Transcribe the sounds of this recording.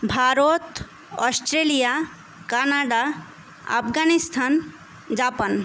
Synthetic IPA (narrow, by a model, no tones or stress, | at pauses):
bʱaɾot̪ | ɔsʈɾelija | kanaɖa | a̰pʰɡanist̪ʰan | d͡ʒapan